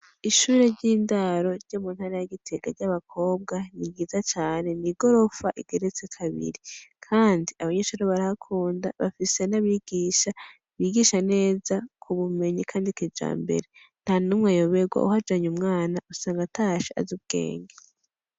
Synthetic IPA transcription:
iʃuːɾe̞ɾɟiːndaɾo̞ɾɟ̥o̞ːmuːnhaɾajaɡitʰe̞ɡ̥aɾɟaβakʰo̞ːbɡaniɡiːzat͡ʃaːne̞niɡ̥o̞ɾo̞faʔiɡ̥e̞ɾet͡se̞kʰaβḭɾikʰaːndiaβaɲeːʃuːɾeβaɾahakʰuːnda̰βa̰fise̞naβiɡ̥iːʃa | βiɡiʃane̞ːzakʰuβume̞ɲikʰaːndikid͡ʒa̰ːmbḛɾe | n̥hanumŋejoβeɡwa̰uhad͡ʒaɲumŋaːnaʔusaːŋɡataːʃiʔa̰zub̚ɡ̥ḛːŋɡe

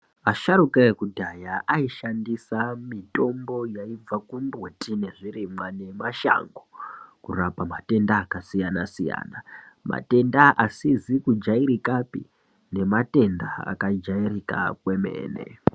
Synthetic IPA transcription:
aʃarukeekudʱajaʔaiʃandisamito̞mbo̞jaib͡vakumbwotʰʼine̞ʐirimwane̞maʃa̰ŋɡokurapamate̞ndaːkasijanasija̰ːna | ma̰te̞ndaasizikud͡ʒaiɾikapḭ | ne̞mate̞ndaa̰kad͡ʒairika̰kwe̞me̞̰ːne̞̰

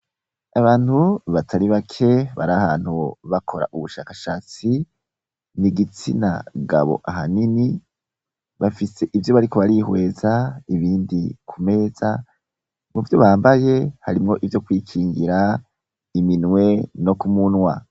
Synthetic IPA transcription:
aβaːn̥huβatʰaɾiβakʰe̞βaɾahaːn̥huβakʰo̞ɾa̰ʔuβuʃaːkaʃaːt͡si | niɡit͡sina̰ɡa̰βo̰ʔaɦanini | βafise̞ʔivjo̞βaɾiko̞βaɾihwe̞ːzaiβiːndikʰume̞ːza̰ | muvjo̞βaːmbaje̞haɾimŋo̞ʔivjo̞kwiːkʰiːŋɡiɾa | iminwe̞no̞kumunwa

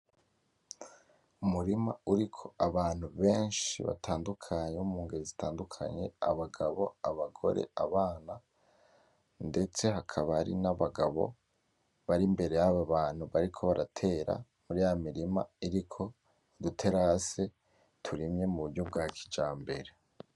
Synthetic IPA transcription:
umuɾima̰uɾikʰo̞aβaːn̥huβe̞ːnʃḭβa̰tʰaːndukʰaɲeumuːŋɡeɾizitʰaːndukʰa̰ɲe̞̰a̰βaɡaβo̞̰aβaɡo̞̰ɾe̞̰aβaːna | nde̞t͡se̞ɦakʰaβaɾḭnaβaɡaβo̞̰ | βaɾimbe̞ɾe̞jaβaβaːn̥huβaɾikʰo̞βaɾatʰe̞ɾa̰ | muɾijamiɾima̰iɾikʰo̞ | dutʰe̞ɾase̞ | tʰuɾimɲe̞muβuɾɟub̚ɡaːkʰid͡ʒaːmbe̞ɾe̞

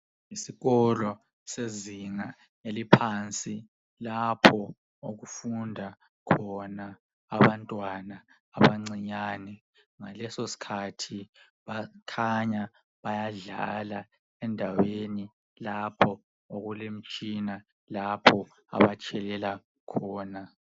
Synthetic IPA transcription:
isiɣɔlɔ | seziŋa | elipʰant͡sʼi | lapʰɔ | oɣufundʱa | kʰɔnaː | βantʼwanaː | βaŋ͡ǀiɲaːnɛ | ŋalɛsosi̥kʰatʰi | βakʰaɲa | βajaɮa̰la | ɛndʱaweni | lapʰɔ | oɣulem̩t͡ʃʼina | lapʰɔ | a̰βat͡ʃʼʰɛlɛla | kʰɔːna

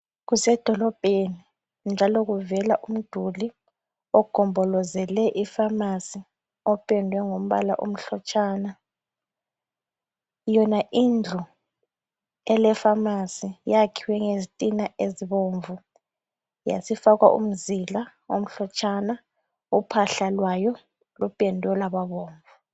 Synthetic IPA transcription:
ɣusɛd̥ʱɔlɔb̥ʱeni | nd͡ʒʱalɔɣuvɛlaʔum̩d̥ʱuli | ɔɡ̥ʱɔmbʱɔlɔzɛlɛʔifamasi | ɔpʰʼɛndʱwɛŋom̩βa̰la̰ʔom̩ɬɔt͡ʃʼʰaːna | jɔnaʔind͡ɮʱu | ɛlɛfamasijakʰiwɛŋezitʼinaʔeziβoːɱvu | ja̰sifaɣwaʔṵm̩zilao̰m̩ɬɔt͡ʃʰʼana | upʰaɬalwajɔ | lupʼɛndʱɔlaβaβoːɱvu

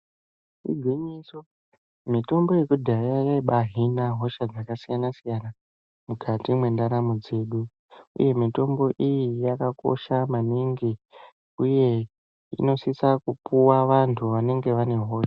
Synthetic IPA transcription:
ḭɡʱwiɲiso | mito̞mbo̞je̞kudʱajajaiɓaɦinaɦo̞ʃad͡zakasijanasijana | mukʰatimwe̞ndaɾamud͡ze̞ːɗu | ṵje̞mito̞mbo̞ʔijijakako̞̰ʃamaniŋɡi | uje̞ | ḭno̞sisakupuwaʋantʰuʋane̞ŋɡe̞ʋane̞ɦo̞ːʃa

